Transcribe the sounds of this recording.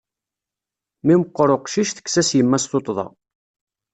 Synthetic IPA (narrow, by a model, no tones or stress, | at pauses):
miməqːɾˤoqʃiʃθə̥kːsæsjəmːæsθot̪ˤːðˤɑ̰